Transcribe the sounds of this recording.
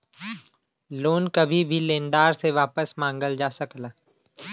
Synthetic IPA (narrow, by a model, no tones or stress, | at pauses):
loːnkɐbʱibʱilẽːnd̪aːɾseʋaːpəsmãːŋɡəld͡ʒaːsɐklaː